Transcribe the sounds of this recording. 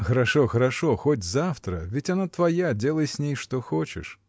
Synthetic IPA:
xəɾɐʂɔxəɾɐʂɔxotʲzaft̪ɾə̰vʲɪtʲɐnat̪vɐjadʲelˠəjsʲnʲejʂt̪ɔxot͡ɕɪ̰ʂ

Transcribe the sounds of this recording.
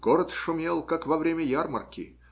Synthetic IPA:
ɡ̥oɾət̪ʂʊmʲelˠkakvɐvɾʲemʲəjarmə̰rkʲɪ̰

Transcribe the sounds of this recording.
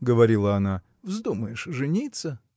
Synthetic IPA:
ɡəvɐɾʲilˠəɐna | vzd̪uməjɪʂʐɨnʲit̪sə

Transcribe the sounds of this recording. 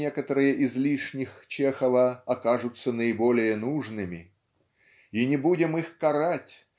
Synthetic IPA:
ekət̪əɾɨjəʔɪzlʲiʂnʲɪxt͡ɕexəvəɐkaʐʊt̪sənəɪbolʲɪjənuʐnɨmʲɪ | inʲɪbudʲɪmixkɐɾatʲ

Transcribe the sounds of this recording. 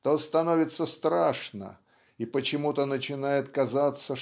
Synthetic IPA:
t̪ost̪ɐnovʲɪt̪sːəst̪ɾaʂnə̰ | ipət͡ɕɪmut̪ənət͡ɕɪnajɪt̪kɐzat̪sə

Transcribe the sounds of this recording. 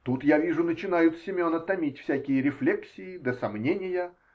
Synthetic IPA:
t̪ut̪javʲiʐʊnət͡ɕɪn̪ajʊt̪sʲɪmʲo̞nət̪ɐmʲitʲfsʲækʲɪjəɾʲɪflʲeksʲɪɪd̪əsɐmnʲenʲɪjə

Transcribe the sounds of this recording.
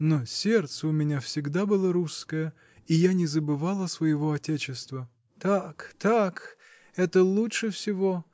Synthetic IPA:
nosʲert̪səʊmʲɪnʲafsʲɪɡd̪abɨlˠəɾuskəjə | ijanʲɪzəbɨvalˠəsvəjɪvoɐtʲet͡ɕɪst̪və | t̪akt̪ak | ɛt̪əlˠutʂɨfsʲɪvo̞

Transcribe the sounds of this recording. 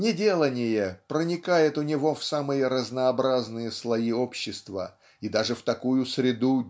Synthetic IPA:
nʲɪdʲe̞lˠənʲɪjəpɾənʲɪkajɪt̪ʊnʲɪvo̞fsamɨjəɾəznəːbɾaznɨjəslˠɐiopɕːɪst̪və̰ | id̪aʐɨft̪ɐkujʊsɾʲɪd̪u

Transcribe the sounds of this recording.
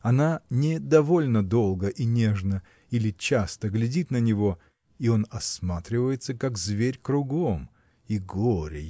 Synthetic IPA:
ɐnanʲɪd̪ɐvo̞lʲnəd̪o̞lˠɡəʔinʲe̞ʐnə | ilʲɪt͡ɕast̪əɡlʲɪdʲit̪nənʲɪvo̞ | io̞nɐsmat̪ɾʲɪvəjɪt̪səkakzvʲeɾʲkɾʊɡo̞m | iɡoɾʲɪ

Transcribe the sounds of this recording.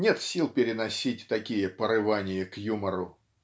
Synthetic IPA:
nʲe̞t̪sʲilˠpʲɪɾʲɪnɐsʲitʲt̪ɐkʲijəpəɾɨvanʲɪjəkjuməɾʊ̰

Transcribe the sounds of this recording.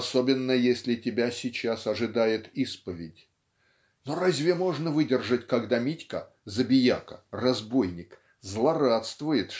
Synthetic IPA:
so̞bʲɪnːəjesʲlʲɪtʲɪbʲasʲɪt͡ɕasɐʐɨd̪ajɪt̪ispəvʲɪdʲ | noɾazʲvʲɪmo̞ʐnəvɨdʲɪrʐətʲkɐɡd̪amʲitʲkə̰ | zəbʲɪjakə̥̰rɐzbo̞jnʲɪk | zlˠɐrat̪st̪vʊjɪt̪

